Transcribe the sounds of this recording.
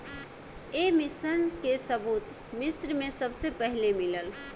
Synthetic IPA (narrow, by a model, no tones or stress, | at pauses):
emisənkesəbut̪ | misɾmesəbsepəɦilemiləl